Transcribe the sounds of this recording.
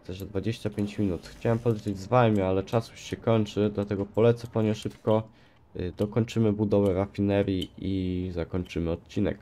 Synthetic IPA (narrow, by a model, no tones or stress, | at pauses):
ɛʐd̪vad͡ʑeɕt͡ɕapʲjeɲt͡ɕmʲinut̪xt͡ɕawɛmpɔd̪lʲet͡ɕed͡ʑzvajmʲialɛt͡ʂasjuʂɕɛkɔɲt͡ʂɘd̪lat̪ɛɡɔpɔlɛt̪sɛpɔɲɛʂɘpkɔ | d̪ɔkɔɲt͡ʂɘmɘbud̪ɔvɛɾafʲinɛɾʲjiizakɔɲt͡ʂɘmɘɔt̪̚t͡ɕinɛ̰k